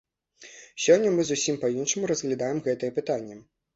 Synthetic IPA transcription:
sʲɔnʲːɐmɨzusʲimpɐinʂɐmuɾɐzɣlʲad̪ajɛmɣɛt̪ɐjɛpɨt̪anʲːɐ

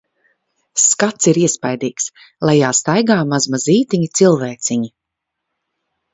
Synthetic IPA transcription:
skat̪siɾiɛspajd̪iːks | lˠajjaːst̪ajɡaːmazmaziːt̪iɲit̪silˠvɛːt̪siɲi

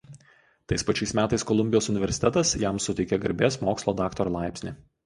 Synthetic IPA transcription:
t̪ɐɪspɐt͡ʃʲɛɪsmʲæːt̪ɐɪskɔlˠʊmʲbʲɪjoːsʊnʲɪʋʲɛɾʲsʲɪ̥t̪ʲɛt̪ɐsjæmsʊt̪ʲɛɪkʲɛɡɐɾʲbʲeːsmoːkslˠoːd̪ɑːkt̪ɔɾlˠɑɪpʲsʲnʲɪː

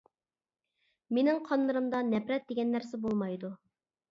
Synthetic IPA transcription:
menɪŋqʰɑnːˠɨɾɨmd̪ɑnɛpɾɛt̪̚d̪eɡʲɛnːæɾsɛbolˠmɑjd̪u

